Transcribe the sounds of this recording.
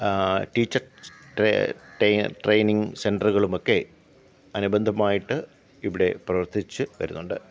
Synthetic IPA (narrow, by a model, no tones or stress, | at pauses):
ʈiːt͡ɕːɐrʈeʈʈrejniŋsenɖɐruɣɐɭumo̞kːe̞ | ɐnubɐnd̪ʱɐmaːjiʈːɨ | iʋiɽe̞prɐʋɐrt̪it͡ɕːɨʋɐ̰ɾṵnːuɳɖɨ